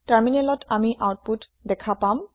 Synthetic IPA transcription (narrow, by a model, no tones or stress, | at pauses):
taɹminelɔtʰamiʔawt̚putdɛkʰapam